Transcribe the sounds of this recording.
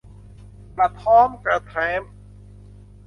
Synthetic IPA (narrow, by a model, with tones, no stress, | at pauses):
pa˨˩t̪ʰːɔː˦˥mka˧˩t̪ʰɛː˦˥m